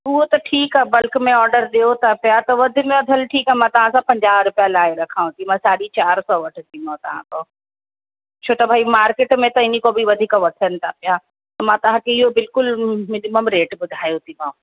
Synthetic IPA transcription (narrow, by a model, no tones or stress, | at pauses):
ʊɦot̪ɐʈʰiːkabɐlkmẽɔːɾɖəɾɗeot̪ʰapjat̪ɐʋɐd̪ʱimẽɐd̪ʱəlʈʰiːkaɦmãːt̪ɐʋ̤ãsãpɐ̃ɲd͡ʑaːɦɾʊpjalaːeɾɐkʰaːũt̪ʰimãsaːɗit͡ɕaːɾsɔːʋɐʈʰɪt̪ʰimãt̪ɐʋ̤ã̰k̪oː | t͡ɕʰoːt̪ɐbʱaːimaːɾkeːʈmẽt̪ɐɪnikobʱiʋɐd̪ʱiːkʋɐt̪ʰənɪ̆t̪ʰapɪja | t̪ɐmãːt̪ɐʋ̤ãkʰeɪɦobɪlkʊlmɪnɪməmɾeːʈbʊd̪ʱaːjot̪ʰibãː